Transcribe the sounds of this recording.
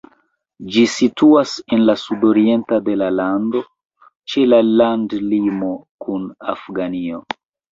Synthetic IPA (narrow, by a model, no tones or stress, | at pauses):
d͡ʒisituase̞nlasudo̞ɾie̞ntade̞lalando̞ | t͡ʃe̞lalandlimo̞kʰuna̰fɡanio̞